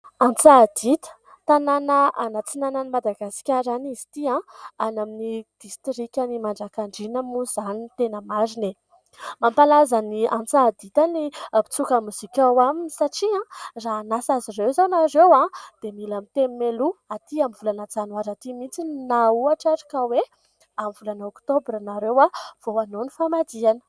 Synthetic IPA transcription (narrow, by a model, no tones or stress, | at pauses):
ãnt͡sad̪it̪ə̥ | t̪ananəʔanat͡sinanənimad̪aɡasi̥kʲaɾanizi̥t̪iãanaminid̪̥ist̪ɾikʲanimaɳɖ͡ʐakaɳɖ͡ʐinəmuz̥anint̪enəmazine | mampalazaniʔãnt͡sad̪it̪anipi̥t͡sukamuz̥ikʲawaminisaʈ͡ʂiãraɦnasazirewzonaɾewãd̪̥emilamit̪emmeluat̪iamivulanat͡sanuaɾat̪imint͡sinauaʈ͡ʂaɾi̥kawe | amvulanaokt̪obɾanaɾewav̥oanonifamad̪ianə̥